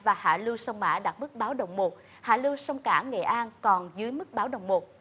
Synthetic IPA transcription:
vaː˨˩ha̰ː˧˩lɨ˧wsə˧wŋ͡mma̰ː˧˥ɗa˨˩t̚mɨ˦˥k̚ɓaː˨˦wɗə˨˩wŋ͡mmo˨˩t̚ | ha̰ː˧˩lɨ˧wsə˧wŋ͡mkaː˧˩ŋḛ˧˨ʔaː˧nkɔ˨˩nzɨ˨˦əjmɨ˦˥k̚ɓaː˨˦wɗə˨˩wŋ͡mmo˨˩t̚

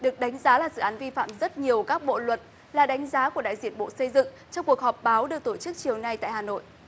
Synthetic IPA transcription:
ɗɨ˨˩ək̚ɗa˨˦jŋ̟zaː˨˦laː˨˩sɨ̰˧˨ʔaː˨˦nvi˧fa̰ː˧˨mzə˦˥t̚ɲi˨˩əwkaː˦˥k̚ɓo̰˧˨lwə˨˩t̚ | laː˨˩ɗa˨˦jŋ̟zaː˨˦ku˧˩əɗa̰ː˧˨jzi˧˩ənɓo̰˧˨sə˧jzɨ̰˧˨ŋ | t͡ɕɔ˧wŋ͡mku˨˩ək̚hɔ˨˩p̚ɓaː˨˦wɗɨ˨˩ək̚t̪o˧˩t͡ɕɨ˦˥k̚t͡ɕi˨˩əwna˧jt̪a̰ː˧˨haː˨˩no̰˧˨jʔ

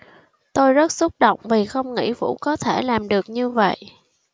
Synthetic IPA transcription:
t̪o˧jzə˦˥t̚sʊ˦˥t̚ɗo̰˧˨wŋ͡mvi˨˩xə˧wŋ͡mŋḭ˧˥fṵ˧˥kɔ˨˦t̪ʰe˧˩laː˨˩mɗɨ˨˩ək̚ɲɨ˧və̰˧˨jʔ

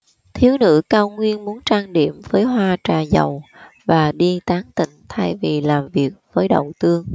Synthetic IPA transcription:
t̪ʰi˨˦əwnɨ̰˧˥kaː˧wŋwi˧ənmu˨˦ənt͡ɕaː˧ŋɗḭ˧˨əmvəː˨˦jɦwaː˧t͡ɕaː˨˩zə̰˨˩w | vaː˨˩ɗi˧t̪aː˨˦ŋt̪ḭ̈˧˨ŋ̟t̪ʰa˧jvi˨˩laː˨˩mvi˨˩ək̚v̥əː˨˦jɗə̰˧˨wt̪ɨ˧əŋ

